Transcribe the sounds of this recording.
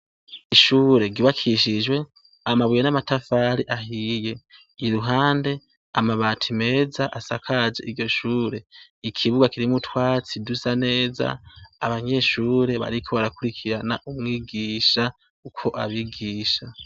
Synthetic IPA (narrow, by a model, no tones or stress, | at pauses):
iʃuːɾe̞ɡiβakʰiʃid͡ʒwe̞ | amaβujenamatafaːɾiʔaɦije̞ | iɾuɦaːnde̞ | amaβaːtʰime̞ːzaʔasakʰad͡ʒe̞̰ʔiɾɟo̞ʃuːɾe̞ikʰiβuɡakiɾimutwaːt͡sidusane̞ːza̰ːβaɲe̞ʃuːɾe̞βa̰ɾikʰo̞βaɾakuɾikʰiɾanaʔumŋwiːɡiːʃa | ukʰo̞ʔaβiɡiːʃa